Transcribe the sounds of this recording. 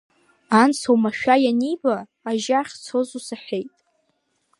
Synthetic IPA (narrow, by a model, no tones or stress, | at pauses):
ansʰowmaʃᶣajanijbaː | ʒaχʲt͡sʰozusaħʲʷᶣejtʼ